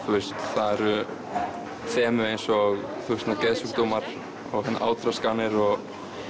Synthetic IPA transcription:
θwʏ̥st̪θaðɛɾʏ | θɛːmʏejnsɔɣθusnakɛðsukt̪oːmaɾ̥ | ɔɣhɛnːa̰ʔa̰ːwt̪ɾaskaːnɪɾɔɣ

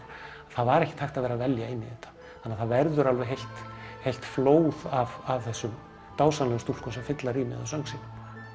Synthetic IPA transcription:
aθaðvaɾɛhcɪt̪ʰajxt̪aðvɛːɾavɛljaɪnːiðɛht̪ːḁ | θanːaθaðvɛɾðʏɾalvɛɦejlt̪hejlt̪floːwðavavθɛsːʏm | t̪aːwsanast̪ul̥kɔsɛfɪt̪laɾiːmɪ̰ðasœŋksɪn

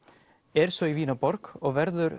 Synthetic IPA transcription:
ɛɾ̥sɔiviːnapɔɾkɔɣvɛɾðʏɾ

